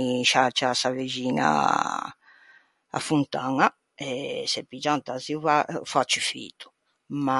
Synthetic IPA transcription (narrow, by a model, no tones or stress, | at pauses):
iʃat͡ʃasaved͡ʒiːna̰ | a̰funt̪aŋa | ɛsɛpːid͡ʒant̪aziuvafat͡ʃːifḭt̪u̥ | ma